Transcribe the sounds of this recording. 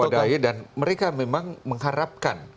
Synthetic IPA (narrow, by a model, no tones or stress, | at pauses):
adaidanməɾekamemaŋməŋɦaɾap̚kan